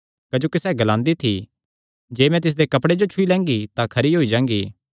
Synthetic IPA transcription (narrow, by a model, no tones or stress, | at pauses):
kɐd͡ʒoːkisɛːɡɐlãːnd̪it̪ʰi | d͡ʒeːmɛ̃t̪ɪs̬d̪ekɐpɽed͡ʒot͡ʃʰʊilɛ̃ːŋɡit̪ãkʰɐɾiɦoːid͡ʒãːŋɡiː